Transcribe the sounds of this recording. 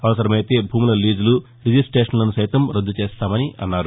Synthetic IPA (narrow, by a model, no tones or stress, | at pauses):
ɐʋɐsɐɾɐmɐjt̪e̞ːbʱuːmilɐliːd͡ʒulu | ɾid͡ʒisʈeːʂɐnlɐnusɐjt̪ɐmɾɐd̪ːut͡ʃeːst̪aːmɐniʔɐ̰nːaːɾu